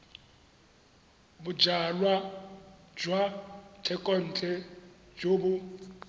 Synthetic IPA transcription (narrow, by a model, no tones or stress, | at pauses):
bʊd͡ʒalwa | d͡ʒwatʰɛkʼɔn̩t͡ɬʼɛd͡ʒobʊ